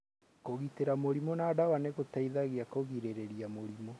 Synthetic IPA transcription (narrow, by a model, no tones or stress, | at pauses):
koɣiteɾamoɾimɔnaːdawaneɣotaiðaɣeakoɣiɾeɾeɾiamoɾimɔ